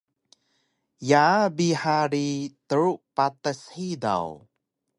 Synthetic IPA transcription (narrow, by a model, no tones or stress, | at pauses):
jabihaɾit̪əɹuʔpat̪əshida̰w